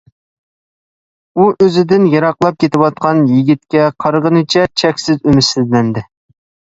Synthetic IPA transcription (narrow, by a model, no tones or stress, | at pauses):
uʔøzɪd̪ɪnjɑɾɑqlˠɑp̚kʲʰet̪ɪwɑt̪̚qʰɑnjiɡʲit̪̚kʲɛqʰɑɾʁənɨt͡ʃʰɛt͡ʃʰɛkʲsɪzømɪsɪzlɛnd̪ɪ